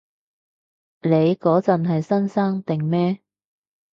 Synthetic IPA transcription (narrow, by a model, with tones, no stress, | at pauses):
le˨˧jkɔː˨˥t͡sɐ˨nɦɐ˨jsɐ˥nsaː˥ŋt̪ɪ˨ŋmɛː˥